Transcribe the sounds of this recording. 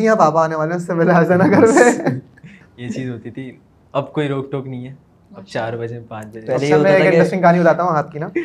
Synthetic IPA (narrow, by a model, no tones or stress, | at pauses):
ijãbaːpaaːneʋaːleɦʊsːeʋɛːleaːzanɐkɐɾʋe | jet͡ʃiːzɦoːt̪it̪ʰi | ɐbkoːiɾoːkʈoːknɐĩɦɛː | ɐb̚t͡ʃaːɾbɐd͡ʒeepãːt͡ʃbɐd͡ʒɛlːmɛ̃eːkɪ̃ɾɛsʈɪ̃ŋkɐɦaːniʊt̪aːɾt̪aɦũɦaːt̪̚kinaː